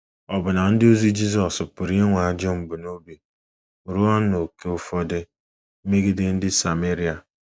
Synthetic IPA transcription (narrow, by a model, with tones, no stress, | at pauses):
ɔ˨bʊ˨na˨n̩˦dɪ˦o˦zi˦d͡ʒi˦zɔ˨spʊ˨ɾi˦ŋʷa˨a˨d͡ʒɔ˦m̩˨bu˨no˦bi˨ | ɾu˦ɔ˦no˨ke˦ʊ˦fɔ˦dɪ˦ | m̩˦me˦ɡɪ˦dɪ˦n̩˦dɪ˦sa˨me˦ɾi˦a˨